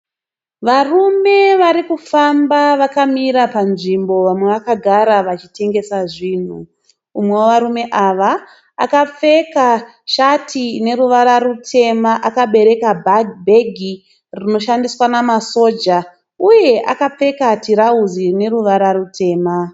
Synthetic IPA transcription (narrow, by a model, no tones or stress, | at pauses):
ʋarume̞ʋaɾikufambaʋakamiɾapanʐimbo̞ʋamwe̞ʋakaɡʱaɾaʋat͡ʃite̞ŋɡe̞saʐiːn̤uː | mwe̞woʋaɾume̞ʔaʋa | a̰kap͡fe̞ka | ʃatʰine̞ruʋaɾarutʰe̞maʔakaɓe̞ɾe̞kabʱaɡbʱe̞ɡʱi | rino̞ʃandiswanamaso̞ːd͡ʒa | uje̞ʔa̰kap͡fe̞katiɾauzine̞ruʋaɾarutʰe̞ːma